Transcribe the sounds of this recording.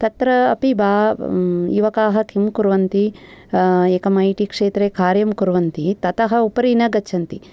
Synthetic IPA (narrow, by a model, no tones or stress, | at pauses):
t̪ɐt̪ɾɐːpibaː | iʋɐkaːɦɐkʰimkuɾʋɐnt̪i | eːkɐmɐjʈikʂeːt̪ɾekaːɾjɐmkuɾʋɐnt̪it̪ɐt̪ɐɦɐupɐɾinɐɡɐʃʰɐnt̪i